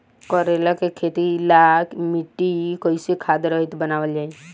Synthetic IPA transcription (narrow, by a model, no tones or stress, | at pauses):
kɔɾelakekʰet̪ilaːkʰmiʈːikoisekʰaːd̪ɾəɦɪt̪bənaːʋəld͡ʒaːi